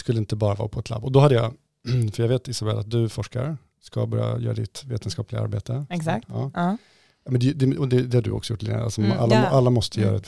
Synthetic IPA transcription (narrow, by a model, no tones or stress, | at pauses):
skɵlːɪnt̪əbɑːɾavɑ̰ːpʰɔɛt̪ʰla̰bːɔd̪ɔɦad̪ːəjɑ̰ | fœɾjaɡveːt̪ɪsabɛlʔat̪̚d̪ɵfɔʂka̰ɾ | ska̰bɑːɾja̰jœ̰ːɾad̪ɪt̪veːt̪ənskɑːplɪɡaa̰ɾbeːt̪ʰəɛsat̪ɑː | mɛnd̪ɛd̪ɛɔd̪ɛd̪ɛhaɖɵ̰ʔɔ̰ksɔjʊʈːlɛ̰ɡə̰ʔa̰sɔmʔalːaʔalːamɔst̪ʰəjœ̰ːɾaɛt̪